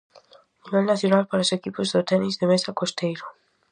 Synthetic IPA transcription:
niβɛlnaθjonalpaɾaosekipozðot̪ɛnizðemesakost̪ejɾo

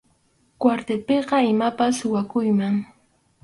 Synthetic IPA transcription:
kwaɾt̪epeɢɑɪmapasʊwakʊjmaŋ

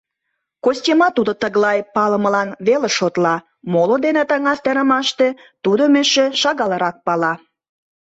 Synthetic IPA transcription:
kosʲtʲemɑt̪ud̪ot̪əɣlɑjpɑləməlɑnβelĕʃot̪lɑ | molod̪enet̪əŋɑst̪eɾə̆mɑʃt̪e̽ | t̪ud̪omeʃeʃɑɣɑləɾɑk̚pɑlɑ

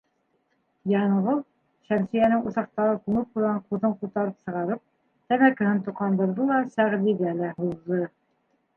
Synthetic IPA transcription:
jɑɴʁɤlˠ | ʃæmsɘ̆jænɘŋuθɑq̚t̪ɑɾɤk̪uɴɤp̚qujʁɑɴquðɤɴqut̪ɑɾɤpsɤ̆ʁɑɾɤp̚ | t̪æmækɘ̆hɘnt̪uqɑnd̪ɤ̆ɾðɤlˠɑsæʁd̪iðælæhuðːɤ

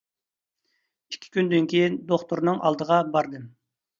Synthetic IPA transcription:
ikʲʰːi̥kʲynd̪yŋkʲijind̪oχt̪uɾnɨŋʔɑ̰lˠd̪əʁɑbɑɾd̪ɨ

